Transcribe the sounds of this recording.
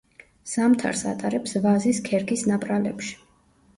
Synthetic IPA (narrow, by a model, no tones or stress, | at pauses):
z̥amt̪ʰa̰ɾsa̰t̪ʼaɾɛpsvaziskʰɛɾɡisnapʼɾalɛ̰pʃi̥